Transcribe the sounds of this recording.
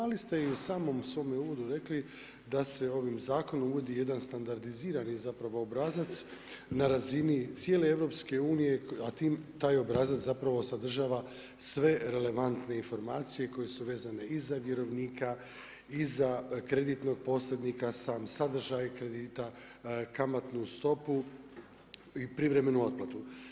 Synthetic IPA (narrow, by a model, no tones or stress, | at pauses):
alist̪e̞iusaːmo̞msʋo̞ːmeuːʋo̞d̪uɾe̞kli | d̪ase̞o̞ʋimzaːko̞nomuʋo̞d̪ije̞d̪anst̪and̪aɾd̪iziːɾanizapɾaʋo̞obɾazat̪s | naɾazinit̪sje̞ːlee̞ʋɾo̞pske̞uːnije̞at̪iːmt̪aːjo̞bɾazat̪zapɾaʋo̞sad̪r̩ʒaːʋa | sʋe̞ɾe̞le̞ʋant̪ne̞info̞ɾmaːt̪sije̞ko̞je̞suʋe̞ːzane̞izaʋje̞ɾo̞ʋniːka | izakɾe̞d̪it̪no̞ɡ̥̚po̞slʲed̪nikasaːmsad̪r̩ʒajkɾe̞d̪iːt̪a | kamat̪nust̪o̞pu | ipɾivɾe̞me̞nuo̞d̪̚plˠat̪u